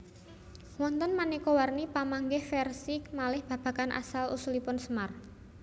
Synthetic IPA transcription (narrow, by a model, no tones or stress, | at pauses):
wɔnt̪ɔnmanikowarnipamaŋɡɪhfɛrsikmalɪhb̥ä̤b̥ä̤kanʔa̰salṵsulipʊnsəmar